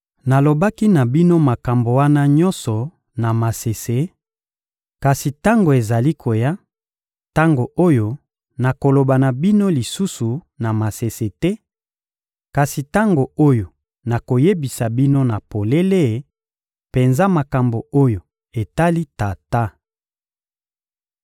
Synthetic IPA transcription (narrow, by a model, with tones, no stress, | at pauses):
na˨lo˨ba˦ki˦na˨bi˦no˦ma˨ka˨mbo˨wa˦na˦ɲɔ̃˦nsɔ˨ | na˨ma˨se˨se˨˦ | ka˨si˨ta˦ŋɡo˨e˨za˨li˦kʰo˨ja˦ | ta˦ŋɡo˨ʔo˦jo˦ | na˨ko˨lo˨ba˨na˨bi˦no˦li˨su˦su˨ | na˨ma˨se˨se˨tɛ˦ | ka˨si˨ta˦ŋɡo˨o˦jo˨ | na˨ko˨je˦bi˨sa˨bi˦no˦na˨po˨le˦le˦˨˦ | pe˨nza˦ma˨ka˨mbo˨o˦jo˨ | e˨ta˦li˦ta˨ta˦